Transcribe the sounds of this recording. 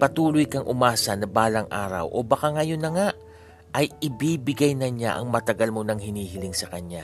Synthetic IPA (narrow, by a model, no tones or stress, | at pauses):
pɐt̪uːlʊjkɐŋʔʊmaːsɐnɐbaːlɐŋʔa̰ːɾɐ̰wʔo̞̰bɐkaŋɐjo̞nːɐŋaʔ | ʔɐjɪbiːbɪɡɐjnɐɲa̰ʔɐ̰ŋmɐt̪ɐɡalmo̞nɐŋhɪniːɦɪlɪŋsɐkɐɲa